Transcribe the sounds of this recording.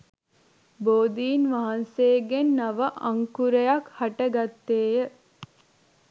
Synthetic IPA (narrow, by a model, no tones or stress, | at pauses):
boːd̪iːnʋɐɦɐnseːɡenːɐʋəʔɐŋkuɾəjakhɐʈəɡat̪ːeːjə